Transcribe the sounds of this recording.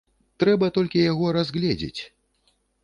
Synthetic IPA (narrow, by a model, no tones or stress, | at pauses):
t̪ɾɛbɐt̪ɔlʲkʲijaɣɔɾazɣlʲɛd͡zʲḛt͡sʲ